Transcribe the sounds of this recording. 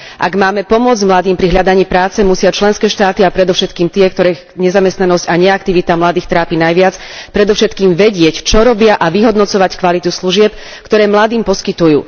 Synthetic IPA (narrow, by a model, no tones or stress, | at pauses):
ʔa̰ɡmaːmɛpɔmʊɔd͡zmlad̪iːmpɾiɦʎad̪aɲiːpɾaːt͡sɛmusɪat͡ʃlɛnskɛːʃt̪aːt̪iapɾɛd̪ɔfʃɛt̪kiːmt̪ɪɛkt̪ɔɾɛː | ɲɛzamɛst̪nanɔscaɲɛakt̪iʋit̪amlad̪iːxt̪ɾaːpinajʋɪat͡spɾɛd̪ɔfʃɛt̪kiːmʋɛɟɪɛct͡ʃɔɾɔbɪaʔaʋiɦɔd̪nɔt͡sɔʋackʋalit̪usluʒɪɛp | kt̪ɔɾɛːmlad̪iːmpɔskit̪ujṵː